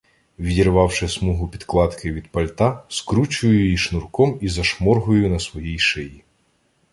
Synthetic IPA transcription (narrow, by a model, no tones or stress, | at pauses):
ʋʲid̪ʲirʋɑwʃɪsmuɦʊpʲid̪klˠɑt̪kʰɪʋʲid̪̚pɐlʲt̪ɑskɾut͡ʃʊjʊjiʃnʊrkɔmizɐʃmɔrɦʊjʊnɐsʋɔjijʃɪji